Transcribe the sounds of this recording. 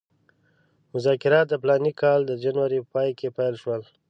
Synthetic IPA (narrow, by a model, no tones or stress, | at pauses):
mʊzɑkɪɾɑt̪̚d̪əplɑnikʰɑld̪əd͡ʒanwaɾipəpɑjkʰepajlʃwəl